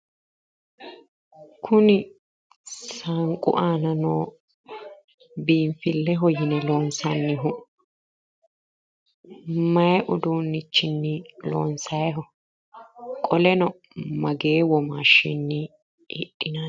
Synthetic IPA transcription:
kʰʊnɪ | ssaŋkʼʊ̰ʔaːnɐnoː | biːɱfɪlːɛɦɔjɪnɛloːnsɐnːɪɦʊ | mɐjɛʔʊd̪uːnːɪt͡ʃːɪnːɪloːnsɐjɦɔ | kʼɔlɛnɔ | mɐɡeːwɔmaːʃːɪnːɪ | ʔɪ̰ʔːɪna

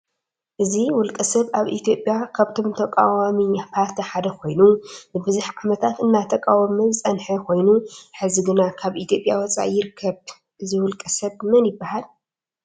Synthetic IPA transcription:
ʔɨziwʊlkʼɨsɐβaβʔit̪ʰjo̞pʼjakʰaβt̪ʰo̞mt̪ʰɐkʼawamipʰaɾt̪ʰiħad̪ɐkʰo̞jnuɨbɨzuħʕamɐt̪ʰat̪ɨnːat̪ʰɐkʼawɐmɨzɨt͡sʼɐnħɨkʰo̞jnuħɨziɡɨnakʰaβʔit̪ʰjo̞pʼjawɔt͡sʼa̰ʔjɪɾɨkʰːɐβ | ʔɨziwʊlkʼɨsɐβmɐnjɪbːahal

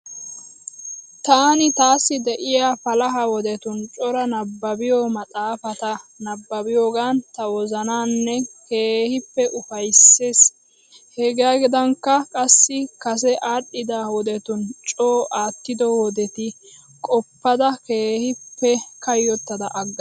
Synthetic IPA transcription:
t̪aːnɪt̪aːsːɪd̪ɛʔɪjaːfɐlɐɦɐwɔd̪ɛt̪ʊnt͡ʃʼɔɾɐnɐbːɐbɪjɔmɐt͡sʼaːfɐt̪ɐnɐbːɐbɪjoːɡaːnt̪ɐwɔzɐnaːnːɛke̞ːhɪpːɛʔʊfɐjsːeːs | hɛɡjaːɡɪd̪ɐŋkːɐkʼɐsːɪkɐs̬ɛʔaːɗːɪd̪awɔd̪ɛt̪ʊnt͡ʃʼoːʔaːt̪ːɪd̪ɔwɔd̪ɛt̪ɪ | kʼɔpːɐd̪ɐkeːhɪpːɛkɐjːɔt̪ːɐd̪ɐʔɐɡːɐ

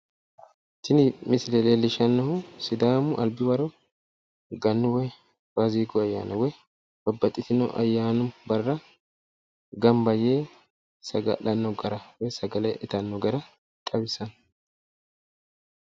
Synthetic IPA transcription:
tɪnɪmɪsɪlɛleːlːɪʃɐnːɐhʊsɪd̪aːmʊʔɐlbɪbɐɾɔ | ɡɐnːʊwɛ | b̥aziːɡɔɐjːa̰ːnʔɐwɛ | b̥ɐbːɐt̪ʼːɪt̪ɪnɔ̰ʔɐ̰jːaːnʊmbɐrːɐ | ɡɐmbɐjeː | sɐɡɐ̰lɐnːɔɡɐɾɐwɛsɐɡɐlɛʔɛt̪ɐnːɔɡɐɾɐ | kʼɐbɪsɐn

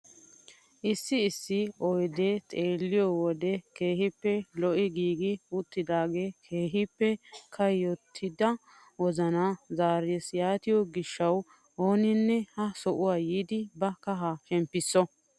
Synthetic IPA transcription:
ʔɪsːɪːsːɪɔjd̪eːt̪ʼe̞ːlːɪjɔwɔd̪ɛke̞ːɦɪpːɛlɔʔɪɡiːɡɪʊt̪ːɪd̪aːɡeːkʰeːɦɪpːɛkʰɐjːɔt̪ʰːɪd̪ɐ | wɔzɐnaːzaːɾɛsjaːt̪ɪjɔɡɪʃːɐw | oːnɪnːɛhɐsɔʔʊwaːjiːd̪ɪbɐkɐɦɐʃɛmpːɪsːɔ

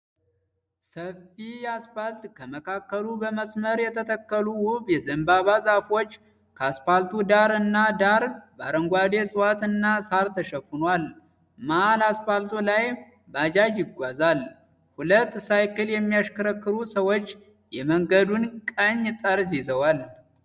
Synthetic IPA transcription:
səfijaspalt̪kʰəməkʰakːəlubəməsməɾjɛt̪ʰət̪ʰəkːəluwʊbjɛzəmbaβazafo̞t͡ʃː | kʰəaspalt̪ʰud̪aɾɨnːad̪aɾbaɾəŋɡʷad̪esʼwat̪ɨnːasaɾt̪ʰəʃəfɨnwal | maalasfalt̪ʰulaj | bəad͡ʒad͡ʒɪɡʷazal | hulət̪ːsajkɨljɛmːijaʃkəɾəkːɨɾusəwo̞t͡ʃː | jɛməŋɡəd̪unkʼəɲːt̪ʼəɾzezəwal

